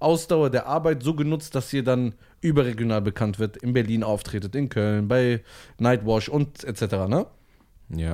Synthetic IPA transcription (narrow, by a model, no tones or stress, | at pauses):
ʔaʊsd̥aʊɐdeːɐʔaɐbaɪtz̥oːɡənʊt͡std̥ashiːɐdan | ʔyːbɐʁeɡjonaːlbəkʰantv̥ɪɐtɪnbɛɐliːnaʊftʁ̥eːtətɪnkʰœlnbaɪnaɪtwɔʃʊntɛt͡sɛtəʁaːnə | ja̰ː